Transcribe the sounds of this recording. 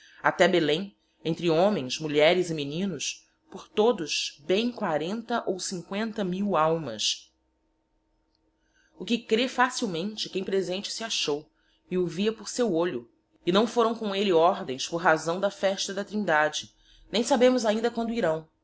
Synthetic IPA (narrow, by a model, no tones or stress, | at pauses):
at̪ɛbelẽj̃ | ẽnt̪ɾɪõmẽj̃smuʎɛɾɪzɪminĩnʊs | poɾt̪od̪ʊʃbẽj̃kwaɾẽnt̪ɐʔowsĩŋkwẽnt̪ɐmiwawmɐ̰s | ʊkɪkɾefasiwmẽnt͡ʃɪkẽj̃pɾezẽnt͡ʃɪ̥sɪaʃow | ɪʊviɐpʊɾsewoʎʊ | ɪnɐ̃w̃foɾɐ̃w̃kõw̃elɪɔɾd̪ẽj̃spʊɾɦazɐ̃w̃d̪ɐfɛʃt̪ɐd̪ɐt̪ɾĩnd̪ad͡ʒɪ | nẽj̃sabẽmʊzaĩnd̪ɐkwɐ̃nd̪ʊiɾɐ̃w̃